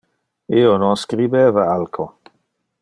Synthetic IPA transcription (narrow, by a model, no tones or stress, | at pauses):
iːononskɾibeːvaalkʰo